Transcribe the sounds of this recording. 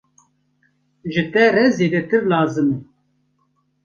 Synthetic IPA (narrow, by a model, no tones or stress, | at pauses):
ʒɨt̪ɛrɛzeːd̪ɛt̪ɨɾlaːzɨmɛ